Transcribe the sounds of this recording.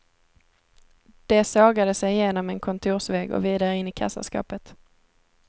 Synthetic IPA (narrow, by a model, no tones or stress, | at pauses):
d̪̥ɛsɑːɡad̪əsɛjjeːnɔmɛnkʰɔnt̪ʰuːʂvɛːɡɔ̰viːd̪aɾəɪnːɪkʰa̰sa̰skɑ̰ːpət̪